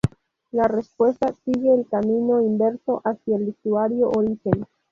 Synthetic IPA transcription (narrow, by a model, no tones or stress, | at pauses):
laɾespwestasiɡeːlkamino̞imbe̞ɾso̞ʔasialːistuaɾioʔoɾiɡen